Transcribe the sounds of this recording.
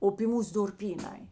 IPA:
oː pʲiː ˈmuːs dʊrʲˈpʲiːˌnɐɪ

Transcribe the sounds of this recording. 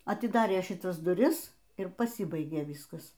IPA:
ɐtʲɪˈdɑːrʲeː ʃʲɪˈtɐs dʊˈrʲɪs ɪr pɐˈsʲiːbɐɪɡʲeː ˈʋʲiːskɐs

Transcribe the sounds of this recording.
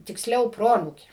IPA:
tʲɪksʲˈlʲɛʊ ˈproːɐnuːkʲeː

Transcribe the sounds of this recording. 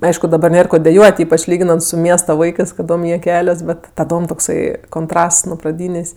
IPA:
nʊ ˈɐɪʃkʊ dɐˈbɐ ˈnʲeːr ˈkoː dʲɛˈjuɔtʲ ˈiːpɐt͡ʃ ˈlʲiːɡʲɪnɐnt sʊ ˈmʲiɛstɐ ˈʋɐɪkɜs kɐˈdoːm ˈjiɛ ˈkʲæːlʲɛs ˈbʲɛt tɐˈdoːm toːkˈsɐɪ koːnˈtrɐsts nʊ prɐˈdʲiːnʲeːsʲ

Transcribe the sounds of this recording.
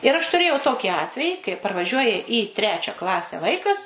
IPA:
ɪr ɐʃ tʊˈrʲeːjɛʊ ˈtoːkʲiː ˈɑːtʲʋʲɛjiː kɐɪ pɐrʋɐˈʒʲuɔjɛ iː ˈtʲrʲæːt͡ʃʲɛ ˈklˠɑːsʲɛ ˈʋɐɪkɐs

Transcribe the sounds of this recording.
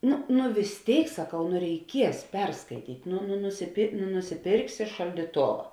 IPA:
ˈnʊ nʊ ʋʲɪs ˈtʲeːɪk sɐˈkɐʊ nʊ rʲɛɪˈkʲiɛs ˈpʲɛrskɐɪtʲiːtʲ nʊ nʊ nʊsʲɪpʲeːr nʊ nʊsʲɪˈpʲeːrksʲɪ ʃɐlʲdʲiːˈtoːʋɐ

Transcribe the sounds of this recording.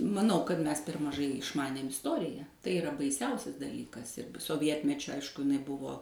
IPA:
mɐˈnɐʊ kɐt ˈmʲɛs pʲɛr mɐˈʒɐɪ ɪʃˈmɑːnʲeːm ɪsˈtoːrʲɪjɛ tɐɪ ɪˈrɐ bɐɪˈsʲɛʊsʲɛs dɐˈlʲiːkɐs ɪr soːˈʋʲiɛtʲmʲɛt͡ʃʲʊ ˈɐɪʃkʊ ɪˈnɐɪ ˈbʊʋoː

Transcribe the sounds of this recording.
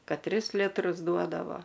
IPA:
ˈkɐt ˈtʲrʲɪs ˈlʲɪtrʊs ˈduɔdɐʋoː

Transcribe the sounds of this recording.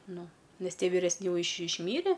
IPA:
ˈnʊ ˈnʲɛs ˈtʲiɛ ʋʲɪrʲɛsʲˈnʲɪ ˈjɛʊ ɪʃ ɪʃʲˈmʲiːrʲɛ

